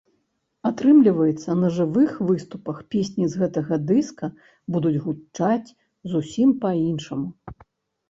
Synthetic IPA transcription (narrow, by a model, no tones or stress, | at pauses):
at̪ɾɨmlʲivɐjɛt̪sːɐnɐʐɨvɨxvɨst̪upɐxpʲesʲnʲizɣɛt̪ɐɣɐd̪ɨskɐ | bud̪ud͡zʲɣut͡ʂat͡sʲ | zusʲimpɐinʂɐmu